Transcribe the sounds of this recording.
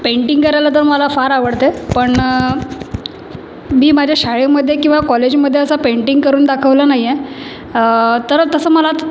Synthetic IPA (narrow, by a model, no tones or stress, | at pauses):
peɳʈiŋɡkəɾajlat̪əɾməlafaɾaʋəɽt̪epəɳ | miːmad͡ʑʱjaɕaɭeməd̪ʱːjekĩw̃ʋakɔled͡ʑməd̪ʱːjeəsapeɳʈiŋɡkəɾuːnd̪akʰəʋlanaɦije | t̪əɾt̪əsəːməla